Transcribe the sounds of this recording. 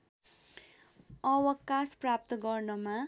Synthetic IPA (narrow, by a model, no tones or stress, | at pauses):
ʌwʌkasprap̚t̪ʌɡʌrnʌma